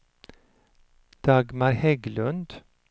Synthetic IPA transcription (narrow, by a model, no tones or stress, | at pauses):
d̪̥ɑːɡmɑɾhɛɡlʉnd̪̥